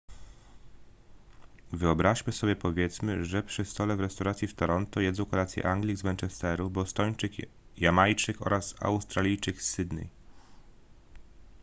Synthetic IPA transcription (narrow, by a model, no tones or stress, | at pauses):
vɘɔbɾaɕmɘsɔbʲjɛpɔvʲjɛt̪smɘʐɛpʂɘst̪ɔlɛvɾɛst̪awɾat̪sʲjift̪ɔɾɔnt̪ɔjɛd̪zɔ̃w̃kɔlat̪sjɛ̰ʔaŋɡlʲiɡzmɛnt͡ʂɛst̪ɛɾubɔst̪ɔɲt͡ʂɘk | jamajt͡ʂɘkɔ̰ɾasa̰wst̪ɾalʲijt͡ʂɘksːɘd̪nɛ̰j